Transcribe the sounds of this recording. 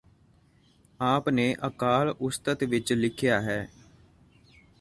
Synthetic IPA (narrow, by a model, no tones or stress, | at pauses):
aːpneːʔəkaːlʊst̪ət̪ʋɪt͡ʃlɪkʰjaːɦɛː